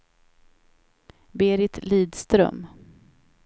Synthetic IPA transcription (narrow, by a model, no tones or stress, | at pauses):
beːɾɪt̪ʰliːd̪st̪ɾœ̰m